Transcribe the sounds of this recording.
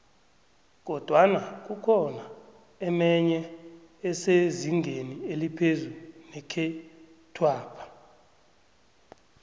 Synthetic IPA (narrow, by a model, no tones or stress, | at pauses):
k̬ɔd̥ʱwanak̬ukʰɔna | ɛmɛɲɛː | seziŋʱenielipʰezunɛkʰɛ | tʰwaːpʰḁ